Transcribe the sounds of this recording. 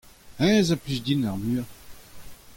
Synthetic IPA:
ɛ̃ːzaplysd̪inaʁmyːʁ

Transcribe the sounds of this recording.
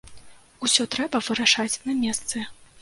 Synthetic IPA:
usʲɔt̪ɾɛbɐvɨɾaʂat͡sʲnɐmʲɛst̪sɨ

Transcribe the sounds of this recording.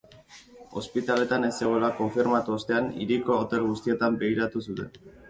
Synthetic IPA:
o̞̰spit̪ale̞t̪ane̞seɣo̞elako̞ɱfiɾmat̪uost̪e̞anḭɾiko̞ːt̪e̞lɣust̪ie̞t̪ambe̞ɣ̞iɾat̪usut̪e̞n

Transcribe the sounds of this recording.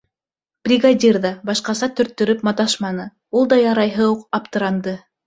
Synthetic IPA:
b̥rʲiɡadʲirðɑbɑʃqɑsɑt̪ɵ̆ɾt̪ːɵ̆ɾɵpmɑt̪ɑʃmɑnɤ | ulˠd̪ɑjɑɾɑjɦɤuqɑpt̪ɤ̆ɾɑnd̪ɤ

